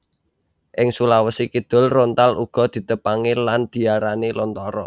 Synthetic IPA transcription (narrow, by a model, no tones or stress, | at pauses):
ʔɪŋsulawəsikid̪̥ʊ̤lront̪aluɡ̥ɔ̤d̪̥i̤t̪əpaŋiland̪̥i̤aɾanilɔnt̪ɔɾɔ̰